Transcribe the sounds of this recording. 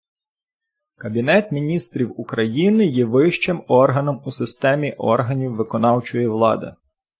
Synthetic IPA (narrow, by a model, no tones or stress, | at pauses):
kɐbʲinɛt̪mʲinʲist̪ɾʲiwukɾɐjinɪjɛʋɪʃt͡ʃɪmɔrɦɐnɔmusɪst̪ɛmʲiʔɔ̰rɦɐnʲiwːɪkɔnɑwt͡ʃɔjiʋlˠɑ̰d̪ɪ̰